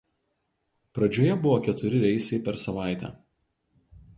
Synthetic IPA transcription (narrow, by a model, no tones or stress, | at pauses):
pɾɐd͡ʒʲoːjɛbʊʋoːkʲɛt̪ʊɾʲɪɾʲɛɪsʲɛɪpʲɛɾsɐʋɑˑɪt̪ʲɛ̰ː